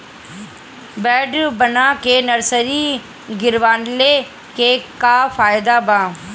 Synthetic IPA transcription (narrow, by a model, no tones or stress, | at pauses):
bɛːɖbənaːkeːnəɾsəɾiː | ɡɪɾʋaːnleː | keːkaːfʰaːjd̪aːbãː